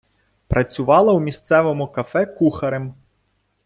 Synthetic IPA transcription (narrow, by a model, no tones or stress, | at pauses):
pɾɐt͡sʲʊʋɑlˠɐwmʲist̪sɛʋɔmʊkɐfɛkuxɐɾem